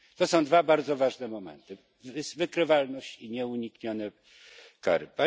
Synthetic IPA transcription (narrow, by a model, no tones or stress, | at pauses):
t̪ɔsɔ̃w̃d̪vabaɾd̪zɔvaʐnɛmɔmɛ̰nt̪ɘ | vsvɘkɾɘvalnɔɕt͡ɕiɲɛuɲikɲɔnɛ | ka̰ɾɘ̰pa